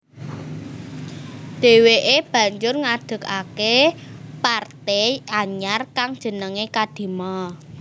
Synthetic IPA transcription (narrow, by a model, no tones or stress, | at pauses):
d̪̥e̤weʔeb̥ä̤ɲd͡ʒʊrŋad̪̥ə̤kakepart̪ejaɲarkaŋd̥ʒ̥ə̤nəŋekad̪̥i̤mɔ